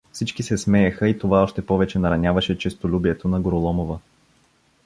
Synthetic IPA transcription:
fsit͡ʃkisɛsmɛɛxəit̪ovaɔʃt̪ɛpɔvɛt͡ʃɛnɐɾɐnʲavɐʃɛt͡ʃɛst̪olʲubiɛt̪onɐɡoɾolˠɔmovə

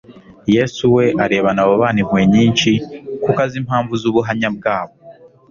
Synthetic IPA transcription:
je̞ːsuwe̞ʔaɾe̞ːβanaβoβaːnimweɲiːnt͡ʃikukazim̥haːɱvuzuβuɦamɲab̚ɡaːβo

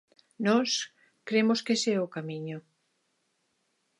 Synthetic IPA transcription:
nɔs | kɾemoskeseɛokamiɲo

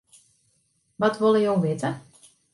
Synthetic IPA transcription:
ʋɔtʋolˠəjowʋɪtə

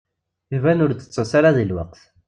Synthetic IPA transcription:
vænʊɾd̪ə̥t͡sːəsaɾaðilwɑqθ

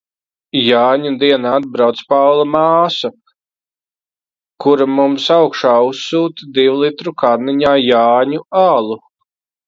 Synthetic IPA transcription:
jaːɲud̪iɛnaːad̪̚bɾawt̪spawlˠamaːsa | kuɾamumsawkʃaːusːuːt̪id̪iwlˠit̪ɾukaɾniɲaːjaːɲuaːlˠu

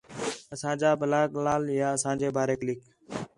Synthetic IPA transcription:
əsãːd͡ʒaːbəlaːklaːljaːəsãːd͡ʒeːbʱaːɾeːklɪk

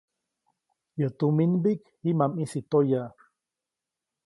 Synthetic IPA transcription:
jot̪uminbik | himamisit̪oja

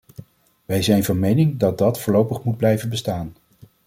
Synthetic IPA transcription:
ʋɛjzɛjnvɑnmejnɪŋdɑd̚dɑtfʊːɹlowpəχmud̚blɛjvənbəstaːn

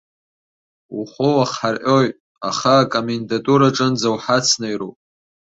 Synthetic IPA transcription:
uχʷowaχħarʔojtʼ | aχaːkʼomendatʼuɾaʈ͡ʂʼɨnd͡zawħat͡sʰnajropʼ

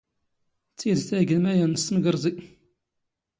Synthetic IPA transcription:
t͡sːid̪θæɡəmæjænəst̪əmɡəɾˤzˤi

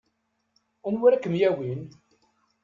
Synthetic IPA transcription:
ʊnwiɾækːəmjæwin

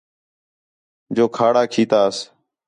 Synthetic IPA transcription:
d͡ʒoːkʰaːɽaːkʰiːt̪aːs

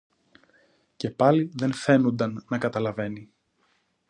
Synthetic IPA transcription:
ce̞pɐliðe̞nθe̞nund̪ɐnːɐkɐt̪ɐlɐve̞ni

